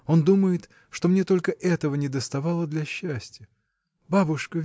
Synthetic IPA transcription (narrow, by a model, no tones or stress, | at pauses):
o̞nd̪uməjɪt̪ | ʂt̪o̞mnʲe̞t̪o̞lʲkəʔɛt̪əvənʲɪd̪əst̪ɐvɑlˠəd̪lʲɐɕːæsʲtʲjə | babʊʂkə